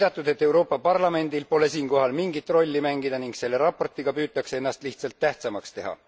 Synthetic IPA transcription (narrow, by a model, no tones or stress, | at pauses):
d̪ɑt̪ːˑud̪̥e̞t̪ːˑe̞wɾo̞ːpːˑɑpɑrlɑme̞nd̪̥ilpo̞le̞siːŋko̞ɦɑlmiŋɡit̪ˑro̞lʲːimæŋɡ̥id̪ɑniŋkse̞lːe̞ɾɑpo̞rt̪ˑiɡ̥ɑpyːt̪ːˑɑksee̞nːɑst̪liht̪sɑlt̪ːæht̪sɑmɑkst̪e̞ɦɑ̰